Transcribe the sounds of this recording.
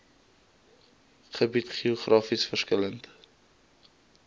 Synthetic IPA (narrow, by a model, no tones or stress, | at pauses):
χəbitχioχrʔɑːfisfərskələnt